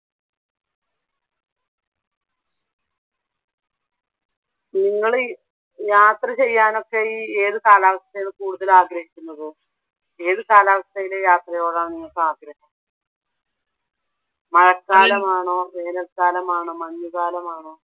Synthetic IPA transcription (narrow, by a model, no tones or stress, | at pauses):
niŋːɐɭɨ | jaːt̪rɐt͡ɕe̞jːaːno̞kːeiːeːðɨkaːlaːʋɐst̪ɐjinɨkuːɽuðɐlaːɡɾɐɦikʲːunːɐðɨ | e̞ːðɨkaːlaːʋɐst̪ɐjilejaːt̪rɐjo̞ːɭaːɳɨniŋːɐɭkːɨaːɡɾɐɦɐm | mɐɻɐkːaːlɐmaːɳoːʋeːnɐlstaːlɐmaːɳoːmɐnːuɣaːlɐmaːɳoː